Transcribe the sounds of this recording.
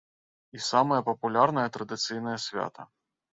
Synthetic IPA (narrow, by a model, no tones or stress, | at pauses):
isamɐjɐpɐpulʲarn̪ɐjɐt̪ɾɐd̪ɨt̪sɨjn̪ɐjɐsʲvʲa̰t̪ʰɐ̰